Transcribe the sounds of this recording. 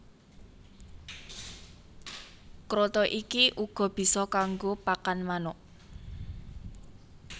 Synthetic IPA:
kɾot̪ɔʔikiʔuɡ̥ɔ̤b̥i̤sɔkaŋɡopakanmanɔʔ

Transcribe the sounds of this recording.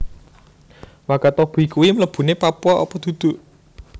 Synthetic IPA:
wakat̪ɔb̥ikuwimələb̥ṳnepapuɔʔɔ̰pɔd̪̥ṳd̪̥ṳʔ

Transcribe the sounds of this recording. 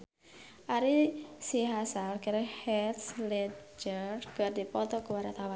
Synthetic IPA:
ʔaɾisiɦasalkəɾehɛt̪slɛd͡ʒərkərdipɔt̪ɔkuwaɾat̪awa

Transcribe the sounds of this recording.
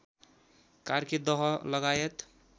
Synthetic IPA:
kaɾked̪ɔɦləɡajet̪

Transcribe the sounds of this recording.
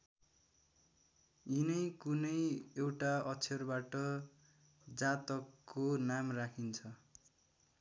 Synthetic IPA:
inʌjkunʌjewʈaʌt͡sʰʌrbaʈʌ | d͡zat̪ʌkːonamrakʰint͡sʰʌ

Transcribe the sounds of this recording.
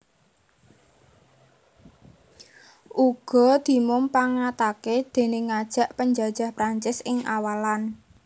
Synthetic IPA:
ʔuɡ̥ɔ̤d̪̥i̤mʊmpaŋat̪aked̪̥e̤neŋad̥ʒ̥a̤ʔpəɲd͡ʒa̤d̥ʒ̥a̤hpɾaɲt͡ʃɪsɪŋawalan

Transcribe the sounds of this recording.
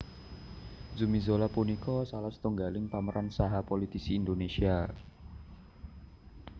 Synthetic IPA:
zumizolapunikɔsalahst̪uŋɡalɪŋpaməɾʔansaɦapolit̪isiːnd̪onesia

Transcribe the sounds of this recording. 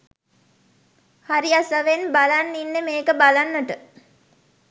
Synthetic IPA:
haɾiasəʋenbalanːinːemeːkəbalanːəʈə

